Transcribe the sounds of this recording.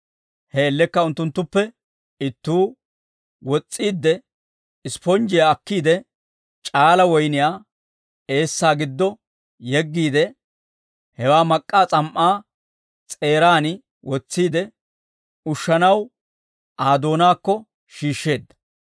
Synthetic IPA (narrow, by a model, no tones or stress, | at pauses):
hɛːlːɛkːɐʊnt̪ːʊnt̪ːʊpːɛ | ɪt̪ːuː | wɔt͡sʼːiːd̪ːɛ | ɪspɔnd͡ʒɪjaːkːiːd̪ɛ | t͡ʃʼaːlɐwɔjnɪjaː | e̞ːsːaːɡɪd̪ːɔ | jɛɡːiːd̪ɛ | hɛwaːmɐkʼːaːt͡sʼɐmʔaː | t͡sʼe̞ːɾaːnɪ | wɔt͡sːiːd̪ɛ | ʊʃːɐnɐw | ʔaːd̪o̞ːnaːkːɔ | ʃiːʃːe̞ːd̪ːɐ̥